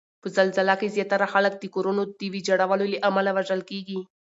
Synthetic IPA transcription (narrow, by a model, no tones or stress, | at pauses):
pəzalzɪlakezjɑt̪aɾaxalək̚d̪əkoɾunod̪əwid͡ʒaɽawaloleʔamalawaʒəlkeɡi